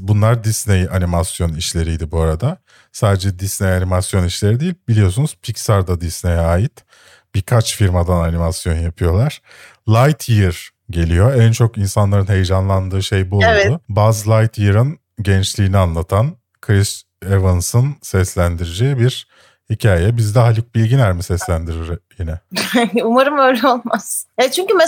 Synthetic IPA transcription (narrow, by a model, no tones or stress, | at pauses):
bunlˠaɾd̪isnejanimasjo̞niʃlʲe̞ɾijd̪ibuaɾad̪a | saːd̪ed͡ʒɛd̪isnejanimasjo̞niʃlʲe̞ɾid̪ijilʲbilʲijo̞sunuz̥pʰicsaɾd̪ad̪isnejaːjit̪ | b̥ikʰat͡ʃfiɾmad̪ananimasjo̞njapʰɯjo̞lˠaɾ̥ | lˠajt̪ʰɯɾ | ɟe̞lʲijo̞ænt͡ʃʰo̞kinsanlˠaɾɯnɦe̞jd͡ʒanlˠand̪ɯːʃe̞jbuʊbaːzlˠajt̪ʰjɯɾɯn | ɟɛnt͡ʃlʲiːnianlˠat̪ʰan | kʰɾis | evɯnsɯnsɛslʲænd̪iɾed͡ʒejibiɾ̥ | hicʰaːjɛbizd̪ɛɦalʲik̚bilʲɟinæɾmisɛslʲænd̪iɾiɾjinɛumaɾɯmøjlʲɛolˠmasɛt͡ʃʰyɲcyme